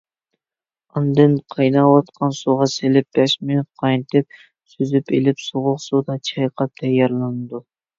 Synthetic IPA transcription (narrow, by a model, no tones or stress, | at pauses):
ɑnd̪ɨnqʰɑjnɑwɑt̪qʰɑnsuʁɑselɪp̚b̥ɛʃmynyt̪̚qʰɑjnɨt̪ʰɪp̚ | syzypelɪpsoʁʊqsud̪ɑt͡ʃʰɑjqʰɑt̪ʰɛjːɑɾlˠɨnɨd̪u